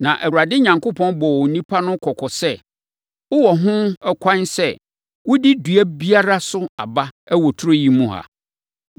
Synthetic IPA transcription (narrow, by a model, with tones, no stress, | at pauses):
nã˨ʔæ˨ɾu˨ɾa˨dɪ˦ɲã˨ŋkʊ˦pʰɔ̃˦nbɔ˨wɔ˨nĩ˦pʰa˦nʊ̃˦kʰɔ˨kʰɔ˨sɛ˦ | wʊ˦wɔ˨ɦʊ̃˦ɛ˦kʷʰã˦nsɛ˦ | wʊ˦di˦du˨æ˦bi˦a˦ɾa˦sʊ˦a̰˨ba˦æ˦wɔ˨tʰʊ˦ɾo˦ji˨mũ˦ha̰˨